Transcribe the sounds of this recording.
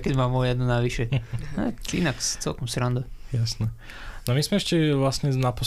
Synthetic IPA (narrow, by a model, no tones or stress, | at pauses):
kɛɟmaːmɔjɛd̪nunaʋiʃɛnɛ̰ḭnakt͡sɛ̰lkɔmsɾand̪ɔjasnɛ | namizmɛɛʃcɛʋlasɲɛnapɔ